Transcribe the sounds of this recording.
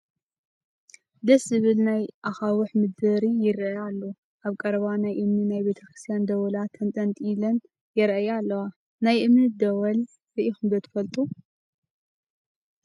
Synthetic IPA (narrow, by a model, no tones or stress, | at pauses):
d̪ɐszɨβɨlnajʔaxawɨħmɨd̪bɐɾijɪɾʔajalːo | ʔaβkʼɐɾɐβanajʔɨmninajbe̞t̪ʰɐkɾɨ̥st̪ʰijand̪ɐwɐlat̪ʰːɐnt̪ʼɐnt̪ʼilɐn | jɪɾʔajalːɐwa | najʔɨmnɨt̪̚d̪ɐwɐl | zɐʔixɨmb̪ɐt̪ʰɨ̥fɐlt̪ʼu